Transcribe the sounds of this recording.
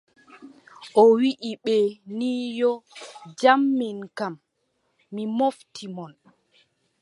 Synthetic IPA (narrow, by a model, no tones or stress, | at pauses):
ʔɔwiʔiɓɛniːjɔd͡ʒamːinkamː | imoftʰimɔn